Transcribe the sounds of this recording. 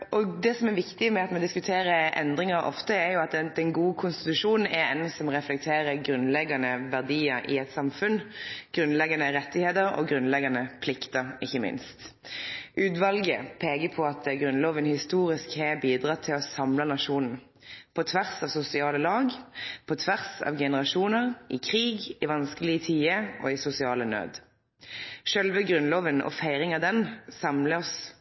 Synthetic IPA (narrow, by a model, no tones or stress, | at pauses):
ʔɔd̪ɛsɔmɛɾʋɪkt̪ɪmɛɑt̪mɔd̪ɪskʉt̪ʰeːɾəʔɛ̰nd̪ʁɪŋɑɾɔ̰ft̪əæɾjʊɑt̪d̪ɛnɡuːkʰʊnst̪ɪ̥t̪ʉʂuːnn̩ɛɾɛnsɔmʁɛflɛk̚t̪ʰeːɾəɾɡɾʉnlɛɡɑnəʋæʁd̪iːəɾʔɪɛt̪sɑmfʉnɡ̥ɾʉnlɛɡɑnəɾɛt̪ːɪheːt̪əɾɔ̰ɡɾʉnlɛɡɑnəpʰlɪkt̪əɾɪçːəmɪ̰nst̪ | ʔʉːt̪ʋɑlɡəpʰeːɡəpʰɔɑt̪̚ɡʁʉnloːʋənhɪst̪uːʁɪskhɛbiːd̪ʁɑt̪ʰɪlɔsɑmlɑnɑʃuːnn̩ | pʰɔt̪ʰʋæʁsɑːʋsʊsɪɑːləlɑːɡpʰɔt̪ʰʋæʁsɑ̰ːʋɡɛnəʁɑʃuːnəʁʔɪkʰʁiːɡɪʋɑnskəlɪət̪ʰiːəʔɔ̰ɪsʊsɪɑːlənø̰ːd̪ | ʃœlʋəɡʁʉnloːʋənɔ̰fæɪʁɪŋɑd̪ɛnsɑmləɔs